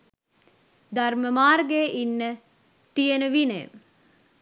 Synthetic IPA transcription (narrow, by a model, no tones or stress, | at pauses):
d̪arməmaːrɡeːʔinːə | t̪ienəʋinḛm